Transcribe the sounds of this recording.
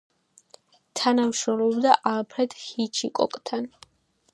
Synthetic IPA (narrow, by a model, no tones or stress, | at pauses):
t̪ʰanamʃɾɔmlɔbd̪aʔalpʰɾɛd̪ʰhit͡ʃʰikʼɔ̰kʼt̪ʰan